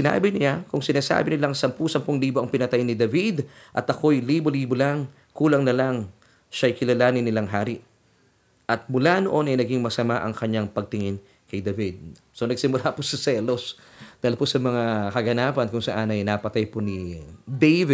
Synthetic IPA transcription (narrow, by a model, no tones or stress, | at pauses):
ɪna̰ːbɪnɪakʊŋsɪnaːsa̰ːbɪnɪlaŋsɐmpusɐmpoŋliːboʔɐŋpɪnɐt̪ajnɪd̪ɐvid̪ | ʔɐt̪ʔɐko̞jliːboliːbolaŋ | kuːlɐŋnɐlaŋ | ʃɐjkɪlɐlaːnɪnɪlaŋɦaːɾɪʔ | ʔɐt̪̚mʊlanoʔo̞nɐjnɐɡiŋmɐsɐmaʔɐŋkɐɲaŋpɐɡ̚t̪ɪŋɪn | kɐjd̪ɐvid̪̚ | so̞nɐɡ̚sɪmʊlaposɐsɛlo̞s | d̪̥aɪlposɐmɐŋakɐɡɐnaːpɐnkʊŋsɐ̰ʔanɐjnapɐt̪ajponɪd̪ejvɪ